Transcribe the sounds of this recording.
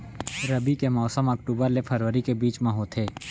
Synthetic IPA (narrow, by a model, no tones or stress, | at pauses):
ɾəbikemɔːsəməkʈuːbəɾlepʰəɾʋəɾikebiːt͡ʃmãɦot̪ʰeː